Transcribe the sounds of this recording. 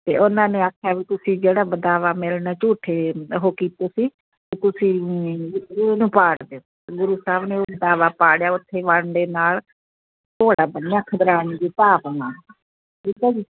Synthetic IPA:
t̪ḛːʔʊnãːneːaːkʰjaːʋiːt̪ʊsĩːd͡ʒeːɽaːbəd̪aːʋaːmɪlnaːt͡ʃuːʈʰeːɦoːkiːt̪eːsiː | ket̪ʊsĩː | nũːpaːɽd̪eoː | ɡʊɾuːsaːbnẽːoːbəd̪aːʋaːpaːɽjaːʊt̪ʰːeːʋaɳd̪eːnaːl | t̪oːɽaːbənːjãːkʰəd̪əɾaːɽiːd͡ʒiːt̪aːʋãː | ʈiːkaːd͡ʒiː

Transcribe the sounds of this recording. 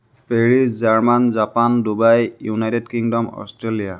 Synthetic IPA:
peɹizzaɹmanzapandubajjunajtedkiŋdɔmɔ̰stɹelija

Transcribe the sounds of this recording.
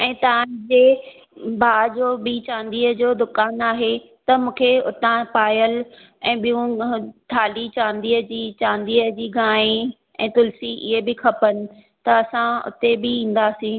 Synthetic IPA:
ɛ̃ːt̪ɐãd͡ʑeː | bʱaːd͡ʑoːbit͡ɕãːnd̪iːəd͡ʑoːd̪ʊkaːnaːɦet̪ɐmũːkʰeʊt̪ãpaːjəl | ɛ̃ːɓijũt̪ʰaːlit͡ɕãːnd̪iːəd͡ʑiːt͡ɕãːnd̪iːəd͡ʑiːɡãːĩ | ɛ̰̃ːt̪ʊlsiʔɪ̰ɦebɪkʰɐpənɪ̆ | t̪ɐɐsãʊ̰t̪ebɪĩːn̆d̪aːsĩː

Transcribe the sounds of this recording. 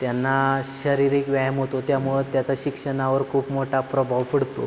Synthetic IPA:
t̪janːaɕəɾiɾiːkʋjajəmɦot̪ot̪jamuɭəd̪t̪jat͡saɕikʂəɳaʋəɾkʰuːpmoʈʰapɾəbʱaʋpəɽt̪o

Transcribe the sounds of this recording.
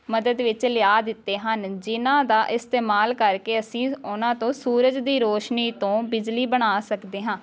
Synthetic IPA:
məd̪əd̪ʋɪt͡ʃlɪjaːd̪ɪt̪ːeːɦənd͡ʒɪnãːd̪aːʔɪst̪eːmaːlkəɾkeːəsĩːʊnãːt̪õːsuːɾəd͡ʒd̪iːɾoːʃniːt̪õːbɪd͡ʒliːbəɽ̃aːsəkd̪eːɦãː

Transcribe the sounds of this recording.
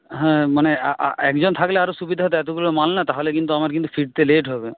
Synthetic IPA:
ɦɛ̃maneaʔa̰ɛ̰kd͡ʑɔnt̪ʰakleaɾosubid̪ʱaɦɔt̪̬eɛt̪oɡulomalnat̪aɦolekint̪̬uamaɾk̬int̪ufʰiɖ̚t̪eleʈɦɔbe

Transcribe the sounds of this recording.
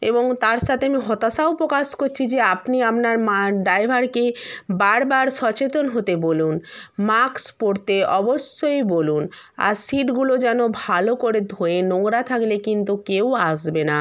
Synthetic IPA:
eboŋt̪aɾʃat̪ʰeamiɦɔt̪aʃaopɾokaʃkoɾt͡ɕʰid͡ʑeapniapnaɾmaɖajbʱaɾkebaɾbaɾʃɔt͡ɕet̪onɦot̪ebolunmakspoɾt̪eʔɔboʃːojboluna̰ɾsiʈɡulod͡ʑɛnobʱalokoɾed̪ʱoenoŋɡɾat̪ʰaklekint̪ukewaʃbena

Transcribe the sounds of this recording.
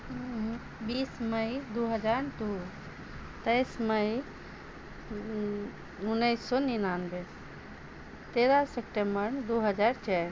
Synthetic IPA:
biːsməid̪uɦəd͡ʒaːɾd̪o | t̪ɐjsməj | ʊnːəjsːɔninanbes | t̪eːɾasekʈẽmbəɾd̪oɦəd͡ʒaːɾt͡ʃʰɛ

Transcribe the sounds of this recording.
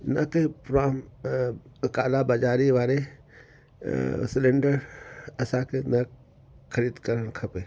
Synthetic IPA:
nɐkepɾaːm | kaːlabad͡ʒaːɾiʋaːɾe | sɪleɳɖəɾɐsãkenɐ | kʰɐɾiːd̪kəɾənkʰɐpeː

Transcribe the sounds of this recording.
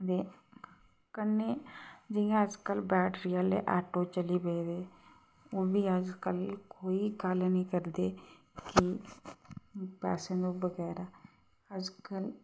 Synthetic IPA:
d̪eː | kəneːd͡ʒɪjãəd͡ʒkəlbɛːʈɾijalḛʔɛːʈoːt͡ʃəlibed̪eː | oːbʱiːəd͡ʒkəlkoːiɡəlnĩːkəɾd̪eː | ki | pɛ̰ːsẽːd̪oːbəɡɛːɾaː | əd͡ʒkəl

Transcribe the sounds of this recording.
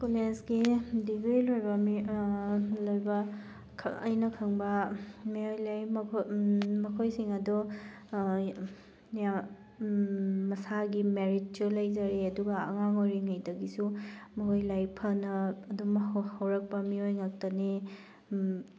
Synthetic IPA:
kulesɡidibijlojbɐmi | lojbɐ | kʰɐ̰jnɐkʰɐŋbɐmiojlajʰ | mɐkʰojsiŋɐdɔ | ja | ɐsaɡimeɾit̚t͡ʃulɐjzɐɾiɐduɡɐɐ̰ŋaŋojɾiŋajdɐɡisumiɦojlajpʰɐnɐːdumhawɾɐk̚pɐmiojŋak̚tɐni

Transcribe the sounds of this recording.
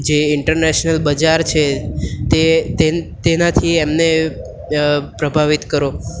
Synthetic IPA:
d͡ʒeɪɳʈəɾneʃnəlbəd͡ʒaɾt͡ʃʰet̪et̪et̪enat̪ʰiemne | pɾəbʱaʋit̪kəɾo

